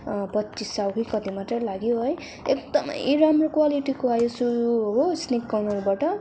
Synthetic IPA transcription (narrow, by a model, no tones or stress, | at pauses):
pʌtːt͡ʃisawkʰikʌd̪imat̪rʌlaɡjoɦʌj | ek̚d̪ʌmʌ̰jɾamrokwaliʈikoɦajosuuɦosnikːawnʌlbaʈʌ